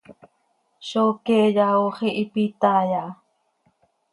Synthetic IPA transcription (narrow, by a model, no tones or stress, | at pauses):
ʃokeːjaoχiʔipit̪aja